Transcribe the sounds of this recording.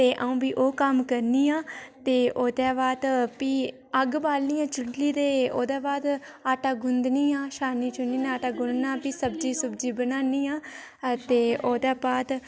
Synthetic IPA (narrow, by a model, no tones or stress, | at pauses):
t̪eːʔəũːbiːʔoːkəmkəɾniːãːt̪eːʔoːd̪aːbaːd̪piː | əɡbaːlniːãːt͡ʃʊɳʈliːd̪eːoːd̪aːbaːd̪aːʈaːɡʊnd̪niːaːʃaːniːt͡ʃʊniːnaːʈaːɡʊnd̪nãːpiːsəbd͡ʒiːsəbd͡ʒiːbənaːniːaː | t̪eːoːd̪aːbaːt̪